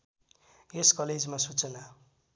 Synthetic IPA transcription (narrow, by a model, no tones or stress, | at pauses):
eskʌled͡zmasut͡sʌna